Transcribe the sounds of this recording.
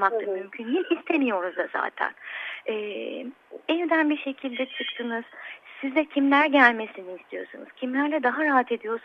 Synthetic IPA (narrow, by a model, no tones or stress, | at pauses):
makt̪ˠɯmymcʰynjilʲist̪ʰe̞mijo̞ɾuzd̪aza̰ːt̪ʰæ̰nɛː | ɛvd̪ænbiʃe̞cʰilʲd̪ɛt͡ʃʰɯkt̪ʰɯnɯz̥sizd̪ɛcʰimlʲæɾɟælʲme̞siniːst̪ʰijo̞̰sṵnṵz̥cʰimlʲæɾlʲɛd̪aɦaɾaɦat̪ʰe̞d̪ijo̞ɾs